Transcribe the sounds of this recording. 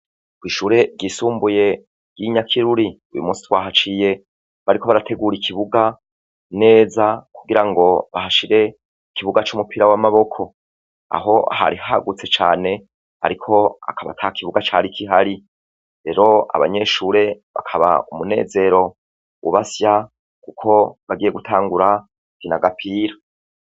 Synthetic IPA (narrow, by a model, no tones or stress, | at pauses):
kwiːʃuːɾe̞ɡisuːmbuje̞ | ɡ̥iɲakʰiɾuɾi | ujṵmuːsi̥twaːɦat͡ʃije̞ | βaɾiko̞βaɾatʰe̞ɡuɾikʰiβuɡa | ne̞ːzakuɡiɾaŋɡo̞βahaʃiɾe̞ | kiβuɡat͡ʃumupiɾawamaβo̞kʰo̞ | a̰ɦo̞aha̰ɾihaɡut͡se̞t͡ʃaːne̞ | a̰ɾikʰo̞a̰kʰaβa̰tʰakʰiβuɡat͡ʃaːɾikʰiɦaɾi | ɾe̞ɾo̞a̰βa̰ɲe̞ʃuːɾe̞βa̰kʰaβa̰umune̞̰ːze̞ɾo̞ | ṵβasja | kukʰo̞βaɡiːje̞ɡutʰaːŋɡuɾa | kinaɡapʰiːɾa